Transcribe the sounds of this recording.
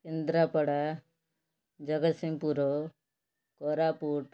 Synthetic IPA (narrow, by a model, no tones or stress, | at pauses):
kend̪ɾapəɽa | d͡ʒɐɡət̪simpuɾo | koːɾaːpuːʈ